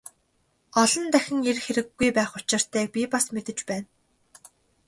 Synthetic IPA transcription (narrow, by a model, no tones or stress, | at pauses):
ɔɮɞ̆nt̪æxʲɪ̆ŋerxeɾɘ̆ɡːujpæːχʊt͡ɕɪ̆r̥t̪æːk̚pʲipasmet̪ɘ̆t͡ɕpæːn